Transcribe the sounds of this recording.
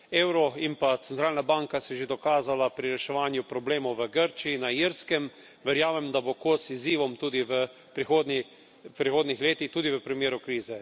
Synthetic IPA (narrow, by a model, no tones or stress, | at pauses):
eːwɾɔimpat̪sɛnt̪ɾaːlnabaŋkasɛʒed̪ɔkaːzalapɾiɾɛʃɛʋaːnjupɾɔbleːmɔwʋəɡəɾt͡ʃiinaiɾskɛm | ʋɛɾjaːmɛmd̪abokosiziːʋɔmt̪uːd̪iʋə | pɾixoːd̪ni | pɾixoːd̪nixleːt̪ixt̪uːd̪iʋəpɾimjeːɾukɾiːzɛ